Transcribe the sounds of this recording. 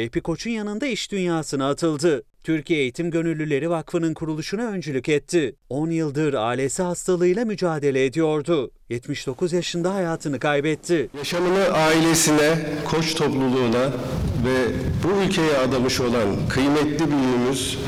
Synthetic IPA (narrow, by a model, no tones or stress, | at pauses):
epiko̞t͡ʃʰunjanɯnd̪aiʃd̪ynjaːsɯnaːt̪ʰɯlˠd̪ɯt̪ʰyɾcʰijɛːjit̪ʰimɟø̞nylʲːylʲe̞ɾivakfɯnɯnkʰuɾulˠuʃunaø̞nd͡ʒylʲycɛt̪ʰːɪo̞njɯlˠd̪ɯɾa̰ːlʲesiɦast̪ʰalˠɯɯjlˠamyd͡ʒaːd̪e̞lʲeed̪ijo̞ɾd̪ʊjɛt̪miʃd̪o̞kuzjaʃɯnd̪aɦajaːt̪ʰɯnɯkʰajbɛt̪ʰːɪjaʃanɯmɯʔaːilʲesinɛkʰo̞t͡ʃt̪ʰo̞plˠulˠuːnˠavɛbuylʲcʰe̞jɛad̪amɯʃo̞lˠankʰɯjmɛt̪lʲibyljymyz̥